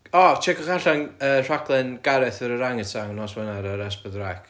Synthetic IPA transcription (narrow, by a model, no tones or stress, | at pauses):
ɔt͡ʃʰɛkɔχaɬaŋəːr̥akʰlˠɨnɡ̥aɾɛθəɾəɾaŋətʰaŋnɔswɛnaɾaɾɛspəðrak